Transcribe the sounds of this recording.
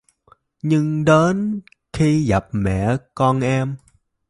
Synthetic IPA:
ɲɨ˧ŋɗe˨˦n | xi˧ɣa˨˩p̚mɛ̰˧˩˨kɔ˧nʔɛ˧m

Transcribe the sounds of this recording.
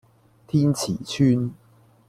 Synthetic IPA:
t̪ʰiː˥nt͡sʰiː˨˩t͡ɕʰyː˥n

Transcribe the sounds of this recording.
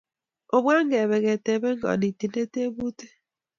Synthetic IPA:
o˨bwa˦ŋ˦e˨βe˨ɣe˨te˨be˦ŋ̩˦ɡɔ̰˨di˨ti˨ne˦te˦bu˦te˦

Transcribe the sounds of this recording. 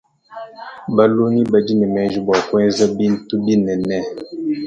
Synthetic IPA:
ba˦lo˦ni˦bə˨d͡ʒi˦nɛ˨mɛ˨ʒu˦bɔ˨kwɛ˦zə˦bi˦n̩˦tu˦bi˦nɛ˨nɛ˦˨

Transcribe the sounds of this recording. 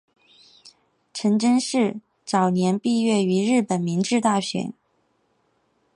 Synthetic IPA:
ʈ͡ʂʰə˧˥ŋʈ͡ʂə˥ŋʂɻ̩˥˩ | t͡sɑ˨˩ʊnjɛ˧˥npi˥˧ɥɛ˥˩y˧˥ɻɻ̩˥˩pə˨˩nmi˧˥ŋʈ͡ʂɻ̩˥˧t̪a˥˩ɕɥɛ̰˨˧˩n

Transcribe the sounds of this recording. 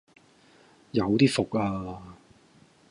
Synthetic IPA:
jɐ˨˧wt̪iː˥fʊ˨k̚aː˧

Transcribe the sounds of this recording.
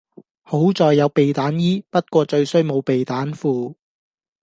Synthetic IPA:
ho˨˥wt͡sɔː˨jːɐ˨˧wpe˨jt̪aː˨˥njiː˥pɐ˥t̚kʷɔː˧t͡ʃɵ˧ɥsɵ˥ɥmo˨˧wpe˨jt̪aː˨˥nfuː˨˧

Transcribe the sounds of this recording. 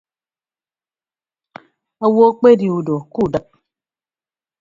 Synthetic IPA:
a˨wo˦k͡pe˦di˨u˨do˨ku˦˨da˨k̚

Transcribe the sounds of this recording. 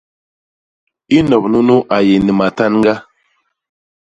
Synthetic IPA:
i˦nɔ˨pnu˦nu˦ʔa˨je˨ni˨ma˨ta˦nŋɡa˦

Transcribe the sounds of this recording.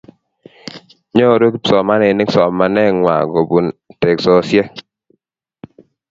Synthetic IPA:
ɲɔ˦˨ɾo˦kpsɔ˨ma˦nɛ˨nɪ˦ksɔ˨mːa˨nɛ˦ŋwa̰˨ɡo˨bu˨nte˨ksɔ˨sjɛ˦

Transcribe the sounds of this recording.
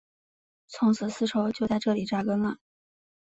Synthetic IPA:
t͡sʰʊ˧˥ŋt͡sʰɹ̩˨˧˩sɹ̩˥ʈ͡ʂʰo˧˥ʊt͡ɕjʊt͡sa˥˧ɪʈ͡ʂɤ˥˩li˨˩ʈ͡ʂa˥kə˥nə˧˩

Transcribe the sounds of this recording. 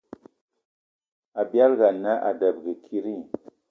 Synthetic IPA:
a˨bja˦lɣa˨nːa˦ʔa̰˨də˨b̚ɡə˨kʰi˦ɾi˦

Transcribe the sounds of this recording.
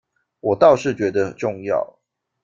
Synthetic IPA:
wɔ˨˩t̪ɑ˥˧ʊʂɻ̩˥˩t͡ɕɥɛ˧˥d̪ə˧˨ʈ͡ʂʊ˥˧ŋjɑ̰˥˨ʊ

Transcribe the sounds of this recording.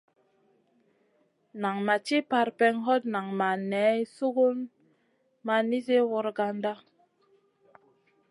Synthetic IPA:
na˨ŋma˨t͡ʃi˦pa˧ɾpɛ˧ŋɦɔ˦t̚na˨ŋma˨nɛ˨˦su˦ɡu˦n | ma˨ni˦se˦wɔ˧ɾɡa˦nda˦

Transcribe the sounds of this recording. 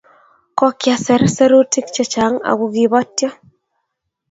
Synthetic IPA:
kɔ˦kja˨sɛ˨ɾsɛ˦ɾu˦ti˦kt͡ʃɛ˨t͡ʃa˨˦ŋa̰˨ɣu˨ɣiβɔ˦tjɔ˦

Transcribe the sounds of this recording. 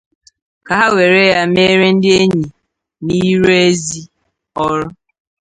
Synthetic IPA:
ka˨ɦa˦we˨ɾe˦ja˦me˦ɾe˦n̩˦dɪ˦e˦ɲi˨ | ni˦ɾe˦e˦zi˦ | ɔ˦ɾʊ˦

